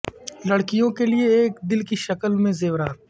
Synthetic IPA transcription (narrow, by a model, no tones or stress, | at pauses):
ləɽkɪjõːkeːlɪeːk̚d̪ɪlkiːʃəkəlmẽːzeːʋɾaːt̪